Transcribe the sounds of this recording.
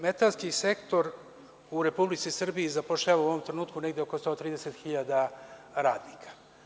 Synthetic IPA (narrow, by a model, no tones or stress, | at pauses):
met̪alˠskisekt̪o̞ɾ | uɾe̞publit̪sisr̩bijizapoʂʎaʋauoʋo̞mt̪ɾe̞nuːt̪kuneɡd̪eoko̞st̪o̞ːt̪ɾiːd̪eset̪xiʎad̪aɾaːd̪nikʰḁ